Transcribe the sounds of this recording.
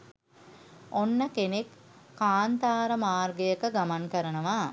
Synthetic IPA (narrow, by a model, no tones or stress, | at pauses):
onːəkenekː | aːnt̪aːɾəmaːrɡejəkəɡamaŋkəɾənəʋaː